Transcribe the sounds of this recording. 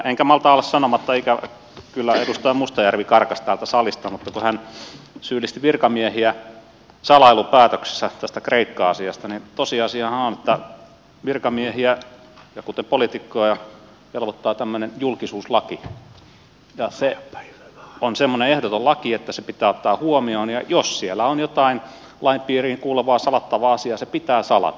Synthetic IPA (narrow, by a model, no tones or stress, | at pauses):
eŋkæmɑlt̪ɑolːˑessɑnomɑt̪ːɑikæ | kylːæedust̪ɑimust̪ɑjærʋikɑrkɑst̪æːlt̪æsɑlist̪ɑmut̪ːɑkuhænsyːlːˑist̪iʋirkɑmiehiæ | sɑlɑilupæːt̪økse̥sːæt̪æst̪ækreikːɑɑsiɑst̪ɑnint̪osiɑsiɑhɑonet̪ːæ | ʋirkɑmiehiæ | jɑkut̪epolit̪ikːoɑjɑ | jelʋot̪ːɑːt̪æmːønenjulkisuːslɑki | jɑse | onsemːoneehdot̪ollɑkiet̪ːæsepit̪æːot̪ːɑːhuomioːnjɑjossielːˑæonjot̪ɑin | lɑimpiːriːkuːleʋɑːsɑlɑt̪ːɑʋɑɑsiɑsepit̪æːsɑlɑ̰t̪